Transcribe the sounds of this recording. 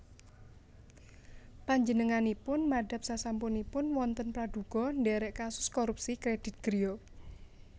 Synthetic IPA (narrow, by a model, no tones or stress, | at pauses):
paɲd͡ʒənəŋanipʊnmaɖa̤p̚sasampunipʊnwɔnt̪ənpɾad̥uɡ̥ɔ̤nɖɛɾɛʔkasʊ̥skoɾup̚sikɾed̥ɪ̤t̪̚ɡ̥ɾijo